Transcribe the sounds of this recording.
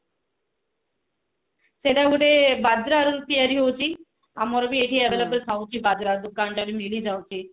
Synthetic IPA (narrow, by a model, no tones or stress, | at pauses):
sedaɡuʈebad̪ɾaɾuɾupiaɾiɦowt͡ʃʰi | amɔɾɔbieʈʰiaeʋelebəlsʰawt͡ʃʰibad̪ɾaɾd̪ukaɳʈaɾimilid͡ʒawt͡ʃʰi